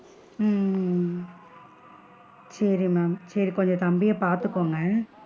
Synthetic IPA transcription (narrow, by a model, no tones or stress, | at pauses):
sɐɾimaːmsɐɾikɔɲd͡ʒɐ̃t̪ɐmbɪjɐpaːɾt̪ɯkːoːŋɡɐ